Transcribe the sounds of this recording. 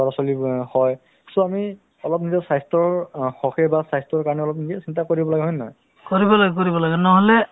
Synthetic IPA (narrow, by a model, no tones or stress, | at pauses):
aɹɔsɔlihɔj | sɔami | ɔlɔp̬̚nizɔsajstɔɹxɔxɛbasajstɹɔɹkaɹɔnɛɔlɔpnizɛsintakoɹibɔlaɡɛɦɔjnɔj | koɹibɔlaɡɛk̬oɹibɔlaɡɛnɔɦɔlɛ